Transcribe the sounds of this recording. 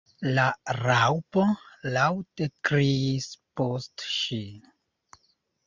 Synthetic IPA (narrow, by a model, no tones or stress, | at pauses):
laɾawpolawtekɾiːspostʃi